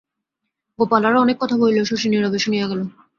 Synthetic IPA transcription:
ɡopalaɾaɔnekːɔt̪ʰabojleoʃoʃiniɾabeʃonijaɡɛlo

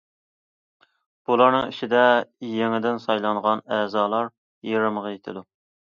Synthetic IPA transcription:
b̥ulˠɑɾnɨŋiʃid̪ɛjeŋɪd̪ɪnsɑjlˠɑŋʁɑnɛːzɑːlˠɑɾ | jeɾɨməʁɑjet̪ʰɪd̪u

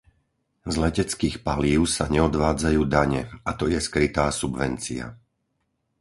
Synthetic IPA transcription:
zlɛcɛt͡skiːxpaliːʊsaɲɛɔd̪ʋaːd͡zajuːd̪aɲɛat̪ɔjɛskɾit̪aːsubʋɛ̰nt͡sḭa̰

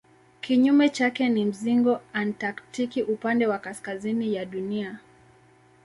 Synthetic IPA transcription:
kiɲumɛt͡ʃakɛnim̩ziŋɡɔantaktikiʔupandɛwakaskazinijaɗunia

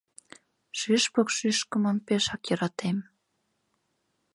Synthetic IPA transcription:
ʃyʃpɤ̆kʃyʃkə̆mə̆npeʃɑkjɤ̆ɾɑt̪em

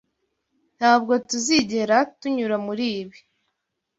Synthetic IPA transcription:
n̥haːbɡo̞tuziɟe̞ɾatuɲuɾamuɾiːβi

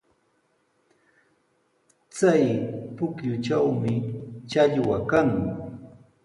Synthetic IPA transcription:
t͡sajpʊkjʊt͡ʃawmɪt͡ʃaʎwakaŋ

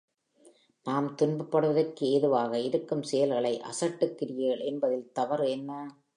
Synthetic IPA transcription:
naːmt̪ʊnbɐpːɐɽɯʋɐðɐrkɯeːðɯʋaːɣɐɪɾɯkːɯmsɛjɐlɣɐɭɐɪʔɐ̰sɐʈːɯkːɪɾɪjeːɭɛnbɐðɪlt̪ɐʋɐɾɛnːɐ

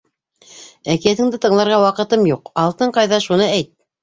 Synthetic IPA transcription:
ækijæθɘ̆ŋd̪ɘt̪ɤ̆ɴlˠɑɾʁɑwɑqɤ̆t̪ɤmjuqɑlˠt̪ɤɴqɑjðɑʃunɤæjt̪̚

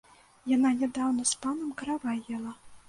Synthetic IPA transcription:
jananʲɛd̪awnɐspanɐmkɐɾavajɛlˠɐ

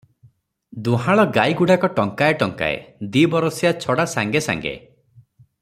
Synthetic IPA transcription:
d̪uɦaɭɔɡajɡuɽakɔʈɔŋkaeʈɔŋka̰ḛd̪ibɔɾɔsjat͡ʃʰɔɽasaŋɡesa̰ŋɡḛ

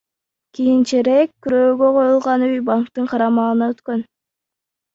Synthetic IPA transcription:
kʲijint͡ʃeɾekʲkyɾøːɡø̞qʰo̞julˠʁɑnyjbaŋkt̪ɯɴqʰɑɾɑmɑlɯnɑøt̪kø̞n

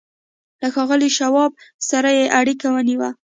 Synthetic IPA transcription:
laxɑɣəliʃawɑb̚saɾajeʔaɽikawəniwa

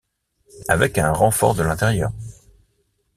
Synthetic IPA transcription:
avɛkɛ̃ʁɑ̃fɔ̰ʁd̪əlɛ̃t̪ɛʁjœːʁ

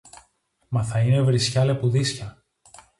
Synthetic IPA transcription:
mɐθɐine̞vɾisçɐle̞puðisçɐ

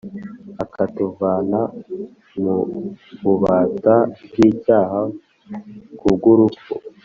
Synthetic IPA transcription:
akʰatuvaːna | mukuβaːtaɟiːcaːɦa | kuɡuɾuko̰

